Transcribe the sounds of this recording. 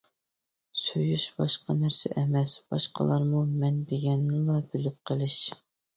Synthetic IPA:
søjyʃbɑʃqɑnæɾsɪ̰ʔɛmɛsb̥ɑ̰ʃqə̰lˠɑɾmumɛnd̪eɡʲɛnːɪlˠɑbɪlɪp̚qʰəlˠɪʃ

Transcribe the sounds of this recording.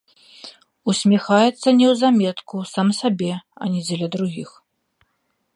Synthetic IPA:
usʲmʲɛxajɛt̪sːɐnʲɛwzamʲɛt̪kusamsabʲɛɐ̰nʲɛd͡zʲɛlʲɐd̪ɾuɣʲix

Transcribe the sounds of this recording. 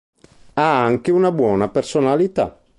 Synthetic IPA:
aaŋkeunabwɔːnapersonalit̪a̰

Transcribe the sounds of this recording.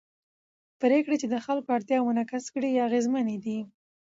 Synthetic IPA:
pɾekɽet͡ʃed̪əxalkoaɽt̪jɑmʊnakaskɽiaɣezmaned̪i

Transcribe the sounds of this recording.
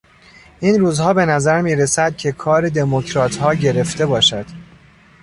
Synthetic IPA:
ʔiːnɾuːzhɒːbe̞næzæɾmiːɾesæd̪̥̚cʰe̞kʰɒːɾe̞d̪e̞mocʰɾɒːt̪ʰhɒːɟe̞ɾe̞ft̪e̞bɒːʃæd̪̥

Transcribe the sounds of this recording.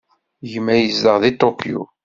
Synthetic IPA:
jəmːæjəzːəʁðit̪okjṵ

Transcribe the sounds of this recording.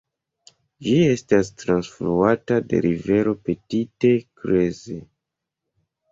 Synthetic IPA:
d͡ʒie̞stastɾansfluatade̞̰ɾʔive̞ɾo̞pe̞tite̞kɾe̞ze

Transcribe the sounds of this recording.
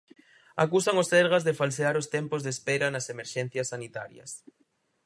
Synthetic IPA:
akusaŋosɛɾɣazðefalseaɾost̪ɛmpozðespɛɾanɐsemeɾʃɛn̟θjɐsːanit̪aɾjɐ̰s

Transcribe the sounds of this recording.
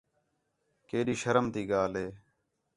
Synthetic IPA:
keːɗiːʃəɾəmt̪iːɠaːlɦeː

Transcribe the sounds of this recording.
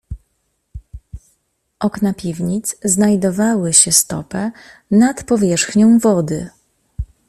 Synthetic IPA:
ʔɔknapʲivɲit̪sznajd̪ɔvawɘɕɛst̪ɔ̰pɛnat̪pɔvʲjɛʂxɲɔ̃w̃vɔd̪ɘ

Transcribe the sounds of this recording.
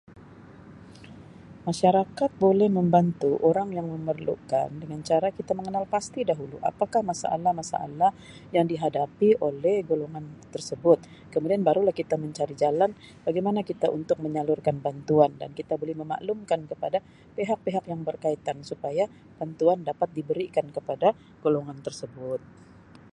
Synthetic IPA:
maʃaɾakat̪̚bolɛhməmbant̪uʔoɾaŋjaŋməmərlṵka̰ndəŋant͡ʃaɾakit̪aməŋənalpast̪idaɦulṵʔa̰pakahmasa̰ʔa̰lahmasa̰ʔa̰lah | jaŋdiɦadapiʔolɛhɡoloŋant̪ərsəbʊt̪̚ | kəmudianbaɾulahkit̪aməɲt͡ʃaɾid͡ʒalanb̥aɡajmanakit̪aʔunt̪ʊk̚məɲalʊrkanbant̪uanda̰nkit̪abolɛhməma̰ʔlumkankəpada | peɦak̚peɦakjaŋbərkait̪ansupaja | b̥ant̪uandapat̪̚dibəɾikankəpada | ɡ̥oloŋant̪ərsəbʊt̪̚

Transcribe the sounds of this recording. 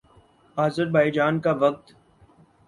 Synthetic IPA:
aːzəɾbaːid͡ʒaːnkaʋək̚t̪

